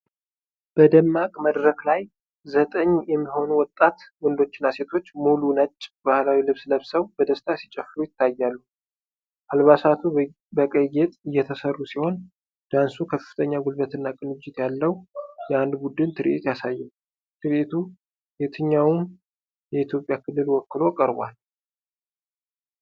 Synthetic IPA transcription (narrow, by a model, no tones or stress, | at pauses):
b̥əd̪əmːakʼməd̪ɾəklaj | zət̪ʼəɲːjɛmːiɦo̞nuwɔt̪ʼːat̪wɔnd̪o̞t͡ʃːɪnːase̞t̪ʰo̞t͡ʃːmulunət͡ʃʼːbahlawilɨβsləβsəwbəd̪əst̪ʰasi̥t͡ʃʼɛfːɾujɪt̪ʰːajːalːu | ʔalβasat̪ʰu | bəkʼəjːɛt̪ʼɨjːɛt̪ʰəsərːusiho̞n | d̪̥ansukʰəfɨt̪ʰəɲːaɡulbət̪ɨnːakʼɨnɨd͡ʒːɪt̪jalːəwjɛand̪bud̪ɨnt̪ʰɨɾʔet̪jasajːɛw | t̪ʰɨɾet̪ʰu | jet̪ʰɨɲːawum | jɛit̪ʰjo̞pʼjakʰɨlːɨlwɔkːɨlo̞kʼəɾbʷa̰l